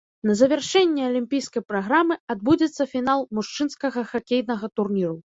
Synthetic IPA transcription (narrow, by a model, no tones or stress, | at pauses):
nɐzɐvʲɛrʂɛnʲːɛɐlʲimʲpʲijskɐjpɾaɣɾamɨad̪̚bud͡zʲɛt̪sːɐfʲinalˠmuʂt͡ʂɨnskɐɣɐxakʲejnɐɣɐt̪urnʲiɾu